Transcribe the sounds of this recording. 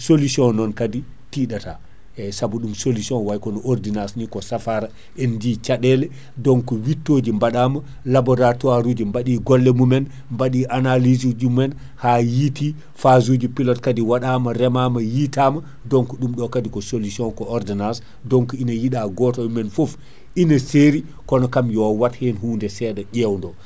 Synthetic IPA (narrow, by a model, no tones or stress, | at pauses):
solusiɔnnːɔnkadi | tiɗata | ɛsabuɗumsolusiɔnwajkɔnɔɔɾdinasnikɔsafaɾa | ɛndit͡ʃaɗɛlɛ | dɔŋkɔwitːod͡ʒimbaɗama | labɔɾatuaɾud͡ʒimbaɗiɡɔlːɛmumɛn | mbaɗiʔanalizid͡ʒumɛn | haːjiti | fazud͡ʒipilɔtkadiwaɗaːmaɾɛmamajitama | dɔŋkɔɗumɗɔkadikɔsolusiɔnkɔɔɾdinas | dɔŋkɔinajiɗaɡɔtɔmumɛnfof | ʔinaseɾi | kɔnɔkamjɔwathɛnɦuːndɛsɛɗɛɗɛwndɔ